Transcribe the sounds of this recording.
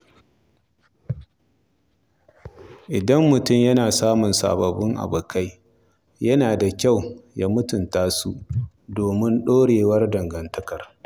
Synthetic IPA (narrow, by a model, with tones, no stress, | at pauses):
ʔɪ˨dɐ˦mːʊ˨tʊ˦˨mjɐ˦naː˨saː˦mʊ˨nsa̰ː˨bɐ˨bɪ˦ŋʔa̰˨bɐ˨ka˦j | jɐ˦naː˨da˨kʲa˦˨wjaː˦mʊ˦tʊ˨ntaː˦su˦ʔ | doː˨mɪ˦nɗoː˦ɽeː˨wɐ˦rdɐ˨ŋɡɐ˨ntɐ˦kɐ˨r